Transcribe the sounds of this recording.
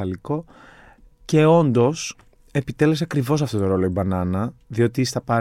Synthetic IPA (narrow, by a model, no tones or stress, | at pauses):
ɐliko̞ | ce̞o̞nd̪o̞s | e̞pit̪e̞le̞s̬eɐkɾivo̞sɐft̪o̞t̪o̞ɾo̞loibɐnɐnɐðio̞t̪ist̪ɐpɐ